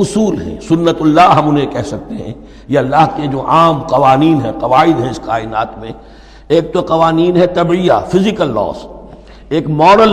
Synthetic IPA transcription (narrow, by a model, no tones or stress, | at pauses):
ʊsuːlɦɛ̰̃sʊnːət̪ʊlːaːɦɐmʊnɦẽkɛɦsɐk̚t̪eɦɛ̰̃ | jeɐlːaɦked͡ʒoːʔaːmqɐʋaːniːnɦɛ̃qɐʋaːɪd̪ɦɛ̃ɪsqaːɪna̰ːt̪mẽ | eːk̚t̪oqɐʋaːniːnɦɛt̪ɐbijafɪzɪkəlːɔ̰ːs | eːkmɔːɾəl